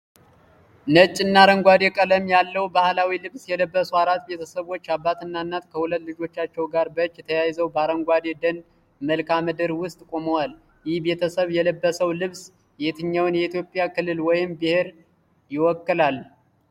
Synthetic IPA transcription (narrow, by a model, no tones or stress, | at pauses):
nət͡ʃʼːɪnːaɾəŋɡʷad̪e̞kʼələmjalːəwbahlawilɨβsjɛləbːəsuaɾat̪be̞t̪ʰəsəβo̞t͡ʃːabːat̪ɨnːanːat̪kʰəhulət̪ːlɨd͡ʒo̞t͡ʃːat͡ʃːɛwɡaɾbət͡ʃʼːɛt̪ʰəjajzəwbəaɾəŋɡʷad̪e̞d̪ən | məlkʰamɨd̪ɨɾwʊst̪ʼkʼo̞məwal | jɪhbe̞t̪ʰəsəβjɛləbːəsəwlɨβs | jɛt̪ʰɨɲːawnjɛit̪jo̞pʼjakɨlːɨlwɔjɪmbɨhe̞ɾ | jɪwɔkːɨlal